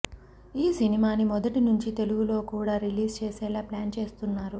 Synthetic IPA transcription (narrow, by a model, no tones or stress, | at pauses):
iːsinimaːnimɔd̪ɐʈinuɲt͡ʃit̪e̞luɡulo̞ːkuːɽaːɾiliːst͡ʃeːsɛːlaːplaːnt͡ʃe̞ːst̪unːaːɾu